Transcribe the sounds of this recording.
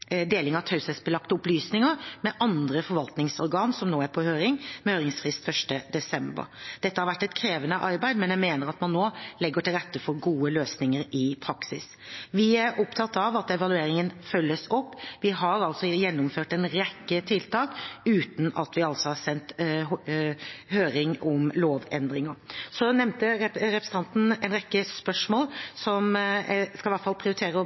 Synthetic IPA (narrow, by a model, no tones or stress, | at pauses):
d̪eːlɪŋɑt̪ʰœlsɛsbəlɑkt̪əʊplyːsnɪŋəɾmɛʔɑnd̪ɾəfɔɾʋɑlt̪nɪŋsɔɾɡɑːnsɔmnoːæɾpʰɔhøːɾɪŋmɛhøːɾɪŋsfɾɪst̪fœʂʈəd̪ɛsɛmbə̰ɾd̪̥ɛt̪ːəhɑɾʋæʈːɛt̪kʰɾeːʋənəʔɑɾbæɪd̪mɛnjæɪmeːnəɾɑt̪mɑnːoːlɛɡːəʈɪlɾɛt̪ːəfɔɾɡuːəløːsnɪŋəɾɪpʰɾɑksɪs | ʋɪæɾɔpt̪ʰɑt̪ːɑʋɑt̪ɛʋɑlʉeːɾɪŋənfœlːəsɔpːʋɪɦɑɾɑlsɔjɛnːʊmføːʈɛnɾɛkːət̪ʰɪlt̪ʰɑːkʉːt̪n̩ɑt̪ʋɪɑlsɔhɑsɛnt̪ | høːɾɪŋɔmloːʋɛnd̪ɾɪŋəɾsɔnɛmnt̪əɾɛpɾəsəɑnt̪n̩ɛnɾɛkːəspœʂmoːlsɔmskɑlɪʋæʈfɑlpʰɾɪʊɾɪt̪ʰeːɾə